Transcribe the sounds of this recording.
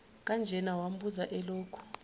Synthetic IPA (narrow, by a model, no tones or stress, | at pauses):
k̬ʼand͡ʒʱɛnawam̩buzaʔɛloːkʰu̥